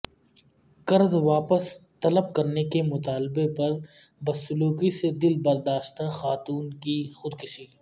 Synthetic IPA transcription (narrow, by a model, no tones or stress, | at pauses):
kɐɾzʋaːpəst̪ɐləb̚kɐɾnekemʊt̪aːlbepɐɾ | bɐsːʊluːkised̪ɪlbɐɾd̪aːʃt̪axaːt̪uːnkixʊd̪kʊʃiː